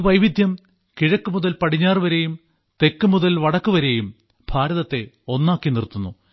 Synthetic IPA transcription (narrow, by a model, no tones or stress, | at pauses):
ʋɐjʋid̪ʱjɐm | kiɻɐkːumuðɐlpɐɽiɲːaːrʋɐɾe̞jum | t̪e̞kːumuðɐlʋɐɽɐkːuʋɐɾe̞jum | b̥ʱaːɾɐðɐt̪ːe̞ | o̞nːaːkːinirt̪ːunːu